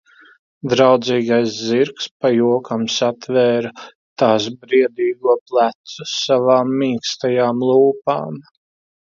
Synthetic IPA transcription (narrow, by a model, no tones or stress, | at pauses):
d̪ɾawd̪ziːɡajsziɾkspajuɔkamsat̪vɛːɾ | t̪aːsbɾiɛd̪iːɡuɔplˠæt̪susavaːmːiːkst̪ajaːmlˠuːpa̰ːm